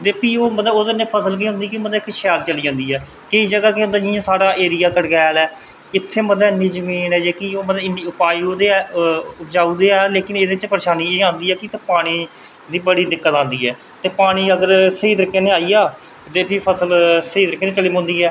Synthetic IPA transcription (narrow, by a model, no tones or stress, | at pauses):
t̪eːpiːoːməd̪ːoːd̪nẽːpʰəsəlk̬iːɦʊ̃nd̪iːkiməd̪ɛːkːɪʃɛːlt͡ʃəliːd͡ʒãːnd̪iːɛː | kəiːd͡ʒəɡaːkeɦʊ̃nd̪aːd͡ʒiãːsaːɽaːʔeːɾijaːkəɽɡɛːlɛː | ɪt̪ʰːeːməd̪ɛːniːzəmiːnɛːd͡ʒeːkioːməːɪniʊpaːiːoːd̪eːɛːʊd͡ʒaːuːd̪eːɛːleːkɪneːd̪eːɪt͡ʃpəɾeːʃaːniːeːãːnd̪iːɛːkɪt̪eːpaːɽ̃iː | d̪iːbəɽiːd̪ɪkːət̪ãːnd̪iːɛː | t̪eːpaːɽ̃iːəɡəɾsəiːd̪əɾɪkːẽːneaːiːaː | t̪eːpiːpʰəsəlsəiːd̪əɾɪkːeːneːt͡ʃəlɪːmɦʊ̃nd̪iːɛː